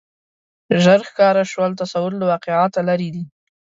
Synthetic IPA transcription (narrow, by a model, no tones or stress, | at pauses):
ʒəɾxkɑɾaʃwəlt̪asawʊɾlawɑqɪʕɑt̪alaɾid̪i